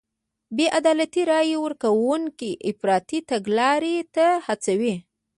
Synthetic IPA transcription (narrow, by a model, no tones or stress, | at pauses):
beʔad̪ɑlat̪iɾɑjewəɾkawuŋkiʔɪfɾɑt̪it̪aɡlɑɾet̪ahat͡sawi